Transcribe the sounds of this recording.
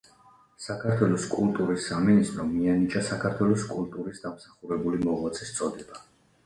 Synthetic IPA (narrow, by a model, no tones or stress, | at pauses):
sakʰaɾt̪ʰwɛlɔskʼulˠt̪ʼuɾisːaminist̪ʼɾɔmianit͡ʃʼasakʰaɾt̪ʰwɛlˠɔskʼulˠt̪ʼuɾisd̪amsḁχuɾɛbulimɔʁlat̪sʰʼɛst̪sʼɔd̪ɛba